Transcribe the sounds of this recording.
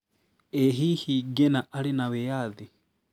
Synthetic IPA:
eɦihiɡenaʔalinaβejaði

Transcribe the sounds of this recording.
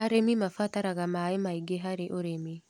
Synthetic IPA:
aɾemimafataɾaɣamaemaiɡeɦaɾeʔoɾemi

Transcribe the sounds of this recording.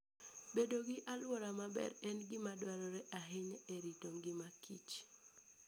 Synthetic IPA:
bedoɡɪʔalwɔɾamabɛ̰ɾɛnɡɪmadwaɾɔɾɛʔaɦɪɲeɾitoŋɡɪmakʰḭt͡ʃ

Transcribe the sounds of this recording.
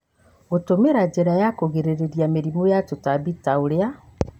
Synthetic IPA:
otomeɾad͡ʒeɾajakoɣeɾeɾeɾjameɾimojatotabitaoɾea

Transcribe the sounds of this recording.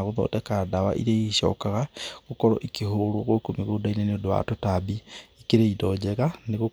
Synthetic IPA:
aɣoðɔ̰ːtɛkadawa̰ʔḭɾeiʃɔ̰kaɣaɣokɔɾɔ̰ʔikeɦoɾoɣokomiɣodaineneodowa̰totabiikeɾeidɔd͡ʒɛɣaneɣo

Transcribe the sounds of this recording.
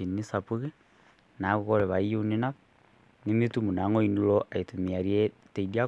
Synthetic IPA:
inisapuɣɛ | naɣukɔɾɛβaiunina | nimitumunaŋoinulɔʔaitumiaɾiɛ | teidia

